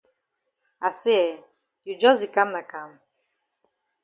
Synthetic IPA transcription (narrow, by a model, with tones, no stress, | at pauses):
a˨sɛ˦ɛ˨ | ju˨d͡ʒɔ˦zi˨ka˦mna˨ka˦m